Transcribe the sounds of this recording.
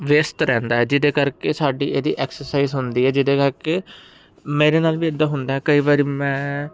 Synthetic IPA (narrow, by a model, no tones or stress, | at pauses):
ʋeːst̪ɾɛ̃ːnd̪aːɦɛːd͡ʒɪd̪eːkəɾkeːsaːɖḭːʔeːd̪ḭːʔɛːksəɾsaːiːzɦʊnd̪iːɦɛːd͡ʒɪd̪eːkəɾkeː | meːɾeːnaːlʋiːəd̪ːaːɦʊnd̪aːɦɛːkəiːʋaːɾiːmɛ̃ː